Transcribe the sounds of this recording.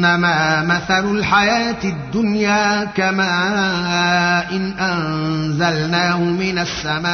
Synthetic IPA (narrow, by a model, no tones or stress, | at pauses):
namaːmaθalʊlħajaːt̪ɪd̪ːʊnjaːkamaː | ʔɪnʔanzalnaːhʊmɪnasːamaː